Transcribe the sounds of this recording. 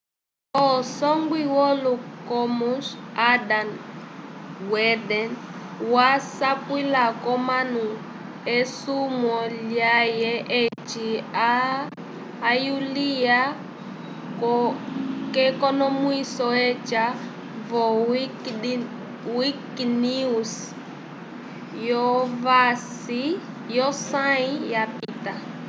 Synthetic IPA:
ɔsɔŋɡwiwɔlukɔmusadan | wɛdɛn | wasapwilakɔmanu | esumɔljajɛʔet͡ʃia | julia | k | kɛkɔnɔmuisɔɛt͡ʃʼa | vɔ | wiknius | jɔvasi | jɔsaijapiːta

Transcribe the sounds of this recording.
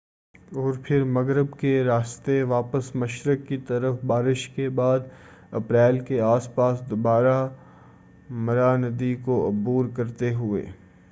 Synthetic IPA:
ɔːɾpʰɪɾmɐɡɾəbkeɾaːst̪eʋaːpəsmɐʃɾəkːit̪ɐɾəfbaːɾɪʃkebaːd̪ | ɐ̰pɾɛːlkeaːspaːsd̪obaːɾa | mɐɾanəd̪ikoɐbuːɾkɐɾt̪eɦʊḛː

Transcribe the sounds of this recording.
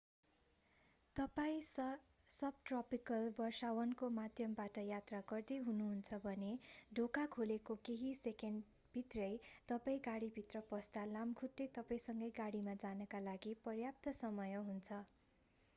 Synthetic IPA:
t̪ʌpaĩ | sʌb̚ʈrʌpikʌlbʌsawʌnkomad̪ʱjʌmbaʈʌjat̪raɡʌrd̪eɦunuɦunt͡sʰʌbʱʌneɖʱokakʰolekokeɦisekeɳɖ | bʱit̪rʌjt̪ʌpaĩɡaɽibʱit̪rʌpʌst̪alamkʰuʈːet̪ʌpaĩsʌŋɡʌjɡaɽimad͡zanʌkalaɡipʌrjap̚t̪ʌsʌmʌjʌɦunt͡sʰʌ

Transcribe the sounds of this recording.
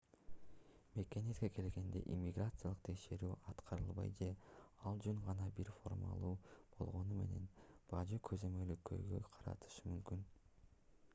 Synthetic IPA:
me̞ke̞net̪ke̞ke̞lɡe̞nd̪e̞̰ʔimʲːiɡrat̪sɨjalˠɯq̚t̪ʰe̞kʃe̞ɾyːɑt̪qʰɑɾɯlˠβɑ̰jd͡ʒe̞ɑlˠd͡ʒøɴʁɑnɑbiɾfo̞̰rma̰lˠuːb̥o̞̰lˠʁo̞nume̞̰ne̞nb̥ɑd͡ʒɯkʰøzø̞mø̞lykʰːø̰jɡø̰qʰɑɾɑ̰t̪ʰɯ̥ʃɯmymkyn

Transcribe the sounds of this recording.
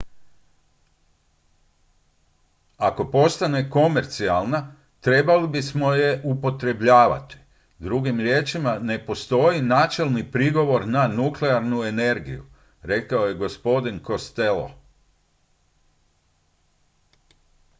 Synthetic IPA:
ako̞po̞st̪ane̞ko̞me̞ɾt̪sialˠna | t̪ɾe̞balibismo̞je̞ʔupo̞t̪ɾe̞bʎaːʋa̰t̪i̥ | d̪ɾuɡimɾʲje̞ːt͡ʃimane̞po̞st̪o̞jinaːt͡ʃe̞lˠnipɾiɡo̞ʋo̞ɾnanukleaɾnue̞ne̞ɾɡḭjṵ | ɾe̞kao̞je̞ɡo̞spo̞d̪inko̞st̪e̞lo̰

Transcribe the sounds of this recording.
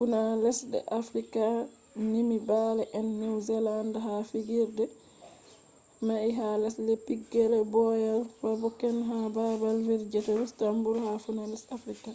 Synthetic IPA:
funalɛsdɛ̰ʔafɾika | nimibalɛʔɛnːɛwzɛlandaɦafiɡiɾdɛ | maiɦalɛslɛpiɡːɛlɛbɔjalfabɔkːɛnɦababalviɾd͡ʒɛtɛɾustambuɾhafunalɛsafɾika

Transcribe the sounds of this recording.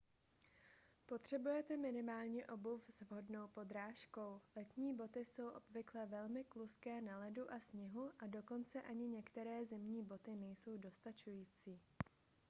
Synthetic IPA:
po̞t̪r̝̥ɛbujɛt̪ɛmɪnɪmaːlɲɛʔo̞bufzvɦo̞dno̞wpo̞d̪ɾaːʃko̞wlɛt̪ɲiːbo̞t̪ɪso̞wʔo̞bvɪklɛvɛlmɪkluskɛːnalɛduʔasɲɪɦuʔado̞ko̞nt͡sɛʔaɲɪɲɛkt̪ɛɾɛːzɛmɲiːbo̞t̪ɪnɛjso̞wdo̞st̪at͡ʃujiːt͡siː

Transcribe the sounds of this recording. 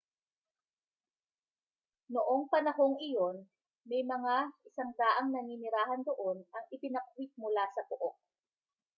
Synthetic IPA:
noʔo̞ŋpɐnɐho̞ŋɪjo̞n | mɛjmɐŋaʔɪsaŋd̪aːʔɐŋnɐŋiːnɪɾaːɦɐnd̪oʔo̞nʔɐŋʔɪpɪnɐkwit̪̚mʊlasɐpʊʔok̚

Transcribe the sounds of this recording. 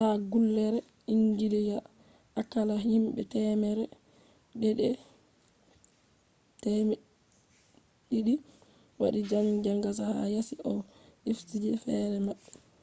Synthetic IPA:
haɡulːɛɾɛ | iŋɡiliɡa | akːalahimɓɛ̰tɛmɛɾɛ | ɗɛɗɛ | tɛmɛ | ɗiɗi | wa̰ɗid͡ʒaŋd͡ʒaŋɡas̬ahajasiʔɔʔiftid͡ʒɛfɛɾɛmaɓɛ

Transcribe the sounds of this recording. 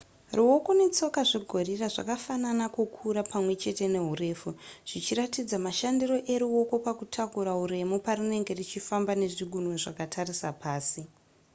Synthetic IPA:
ruwo̞ko̞ne̞t͡so̞kaʐiɡʱo̞riraʐa̰kafananakukʰuɾapamwe̞t͡ʃe̞te̞ne̞ɦure̞ːfuʐ̥it͡ʃiɾatid͡zamaʃandiro̞ʔe̞ɾuwo̞ko̞pakutʰakuɾaɦuɾe̞mupaɾine̞ŋɡe̞rit͡ʃifambane̞ʐiɡʱunwoʐakatʰarisapaːsi

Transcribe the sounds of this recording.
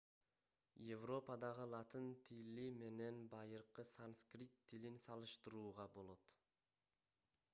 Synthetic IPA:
jevro̞pɑd̪ɑʁɯlˠɑt̪ɯnt̪ʰilime̞ne̞nbɑjɯɾqɯsanskrʲit̪ʰːilinsɑlˠɯʃt̪ɯɾuːʁɑbo̞lˠo̞t̪

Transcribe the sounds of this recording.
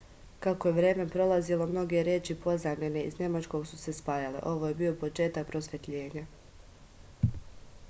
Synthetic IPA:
kako̞je̞ʋɾe̞ːme̞pɾo̞lˠazilˠo̞mno̞ɡe̞ɾje̞ːt͡ʃipo̞zamʎene̞ḭzne̞mat͡ʃko̞ːɡsuse̞spaːjale̞̰ʔo̞ʋoje̞bio̞po̞t͡ʃe̞ːt̪ak̚pɾo̞sʋe̞t̪ʎe̞ːɲa

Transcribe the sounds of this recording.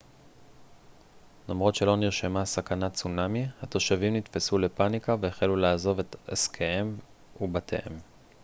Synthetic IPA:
lomʁo̞tʃelo̞niʁʃemasakanat͡sunamihat̪o̞ʃavimnit̪fesule̞panikaveeχelulaːzo̞ve̞t̪askʰeem | ubatʰḛʔem

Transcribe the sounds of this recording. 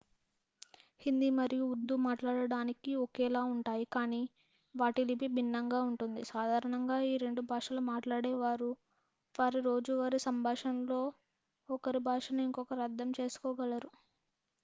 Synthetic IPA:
hind̪imɐɾijuːɾd̪umaːʈlaːɽɐɽaːnikiɔkɛːlaːuɳʈaːjikaːniː | ʋaːʈilipibʱinːɐŋɡaːuɳʈund̪isaːd̪ʱaːɾɐɳɐŋɡaːiːɾe̞ɳɖubʱaːʂɐlumaːʈlaːɽɛːʋaːɾu | ʋaːɾiɾo̞ːd͡ʒuʋaːɾisɐmbʱaːʂɐnlo̞ː | ɔkɐɾibʱaːʂɐnuiŋkɔkɐɾiɐd̪ʱːɐmt͡ʃe̞ːsu̥kɔːɡɐlɐɾu

